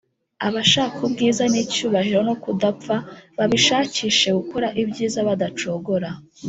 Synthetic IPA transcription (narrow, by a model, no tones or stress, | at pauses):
aβaʃaːkubɡiːzanicuːβahiɾo̞no̞kudap͡faβaβiʃaːciʃe̞ɡuko̞ɾaʔibɟiːzaβadat͡ʃo̞ɡo̞ɾa